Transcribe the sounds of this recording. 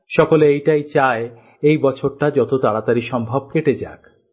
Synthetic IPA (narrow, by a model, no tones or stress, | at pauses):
ʃɔkoleejʈajt͡ɕae | ejbɔt͡ɕʰoɾʈad͡ʑɔt̪ot̪aɽat̪aɾiʃɔmbʱab̚keʈed͡ʑak